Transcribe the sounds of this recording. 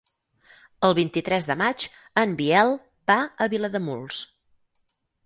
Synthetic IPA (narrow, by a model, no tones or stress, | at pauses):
əlˠβint̪it̪ɾɛzðəmad͡ʒ | əmbiɛlˠ | baəβiləðəmulˠs